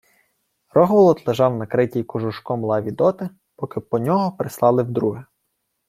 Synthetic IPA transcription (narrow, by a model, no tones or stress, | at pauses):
rɔɦʋɔlˠɔt̪lˠeʒɑwnɐkɾɪtʲijkɔʒʊʃkɔmlˠɑʋʲid̪ɔt̪ɪ | pɔkɪpɔnʲɔɦɔpɾɪslˠɑlˠɪwd̪ɾuɦɛ